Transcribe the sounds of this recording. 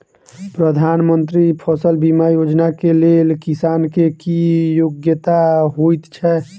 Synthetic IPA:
pɾəd̪ʱanmənt̪ɾipʰɔsəlbimajod͡ʒnakelelkisaːnkekijoɡjət̪aɦojt̪t͡ʃʰɛ

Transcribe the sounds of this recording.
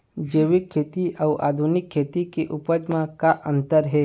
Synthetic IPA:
d͡ʒeːʋɪkʰːeːt̪iʔauʔa̰ːd̪ʱunɪkʰːeːt̪ikeʔʊpəd͡ʒmãkaʔə̃nt̪əɾɦɛː

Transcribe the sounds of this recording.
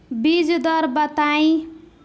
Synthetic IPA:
bid͡zd̪ʌɾbʌt̪aj

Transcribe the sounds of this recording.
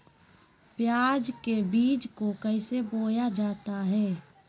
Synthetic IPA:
pjaːd͡ʒkebiːd͡ʒkokəɪseboːjad͡ʒaːt̪aɦɛː

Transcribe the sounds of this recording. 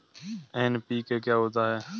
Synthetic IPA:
eːnpiːkeːkjaːɦoːt̪aːɦeː

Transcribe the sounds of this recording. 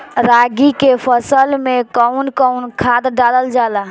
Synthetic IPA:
ɾaɡikepʰəsəlmekəwnkəunkʰad̪ɖaləld͡ʒala

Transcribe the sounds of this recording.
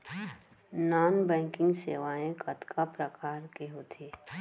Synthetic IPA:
naːnbɛ̃ːŋkɪ̃ŋɡseːʋaːẽkɐt̪kʰapɾəkaːɾkeɦoːt̪ʰeː

